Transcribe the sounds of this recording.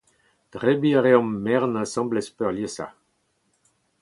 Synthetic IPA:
d̪̥ʁebiaʁeɔ̃mːɛʁnãsɑ̃mblɛspœʁljesa̰

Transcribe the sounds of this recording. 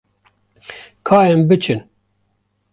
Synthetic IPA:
kʰaːjɛmbɨt͡ʃʰɨn

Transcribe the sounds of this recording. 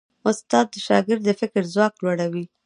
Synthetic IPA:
ʊst̪ɑd̪ːəʃɑ̰ɡɪɾd̪əfɪkɾzwɑklwaɽawi

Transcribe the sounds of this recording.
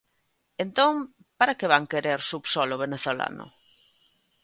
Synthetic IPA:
ent̪õŋ | paɾakeβaŋkeɾeɾsupsɔloβ̞eneθola̰nʊ̰

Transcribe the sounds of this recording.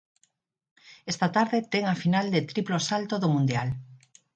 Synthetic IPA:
ɛst̪at̪aɾðet̪ɛŋafinald̪et̪ɾiplosalt̪oðomũnd̪jal

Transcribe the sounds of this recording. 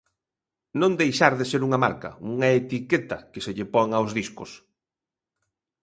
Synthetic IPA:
nõnd̪ejʃaɾðeseɾuŋɐma̰ɾkɐ̰uŋaet̪iket̪ɐkeseʎepɔŋawzðiskʊ̰s

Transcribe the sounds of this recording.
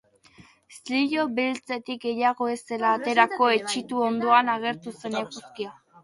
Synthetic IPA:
sliʎo̞βilt͡se̞t̪ik̚ɡe̞jaɣo̞e̞se̞laːt̪e̞ɾako̞e̞t͡ʃit̪uo̞nd̪o̞anaɣe̞ɾt̪use̞ne̞puskia

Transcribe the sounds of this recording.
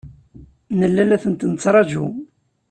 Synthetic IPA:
nəlːælæθənt̪nət͡sːɾˤɑd͡ʒu

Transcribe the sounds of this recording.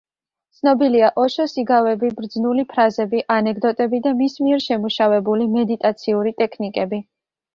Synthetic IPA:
t̪sʰnɔbiliaʔɔʃɔsiɡavɛbibɾd̪znulipʰɾazɛbiʔanɛkʰd̪ɔt̪ʼɛbid̪amismiɛɾʃɛmuʃavɛbulimɛd̪it̪ʼat̪sʰiuɾit̪ʼɛkʰnikʼɛbi

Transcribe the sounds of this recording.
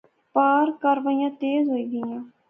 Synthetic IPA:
paːɾkəɾʋəijãːt̪eːzɦoːiːɡəjãː

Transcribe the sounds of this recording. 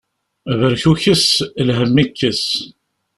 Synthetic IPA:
vəɾçuçəslɦəmːikːəs

